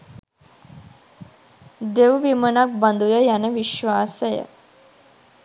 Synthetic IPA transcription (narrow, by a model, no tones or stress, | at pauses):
d̪ewʋimənak̚band̪ujəjænəʋiʃʋaːsəjə̰